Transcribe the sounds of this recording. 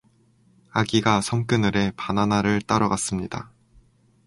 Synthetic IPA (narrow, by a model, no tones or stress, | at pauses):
aɡiɡasʰʌmk͈ɯnɯɾe̞pananaɾɯɭt͈aɾʌɡas͈ɯmɲida̰